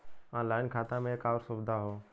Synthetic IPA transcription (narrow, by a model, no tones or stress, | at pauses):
ãːlaːɪnkʰaːt̪ãmẽkaːʋɾsʊbd̪ʱaɦoː